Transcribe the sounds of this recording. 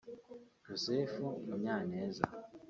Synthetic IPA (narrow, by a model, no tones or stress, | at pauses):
josefumuɲaneːza̰